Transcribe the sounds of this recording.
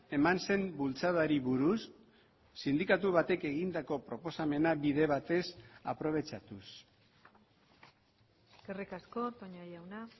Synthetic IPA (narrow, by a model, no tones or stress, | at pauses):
e̞manse̞mbult͡saðaɾiβuɾusː | ind̪ikat̪uβ̞at̪e̞ke̞ɣind̪ako̞pɾo̞po̞same̞naβiðe̞β̞at̪e̞sapɾo̞β̞e̞t͡ʃat̪us | kerekasko̞t̪oɲajawna